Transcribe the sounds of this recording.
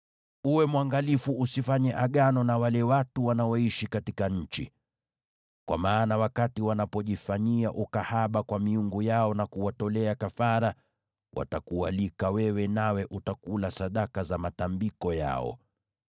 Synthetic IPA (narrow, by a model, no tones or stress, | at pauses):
uwɛmwaŋɡalifuʔusifaɲɛʔaɠanɔnawalɛwatuwanaɔiʃikatikaɲ̩t͡ʃḭ | kwʔa̰maːnawakatiwanapɔʄifaɲiaʔukahaɓakwamiuŋɡujaɔnakuwatɔlɛakafaɾa | wʔa̰takualikawɛwɛnawɛʔutakulasaɗakazamatambikɔja̰ɔ̰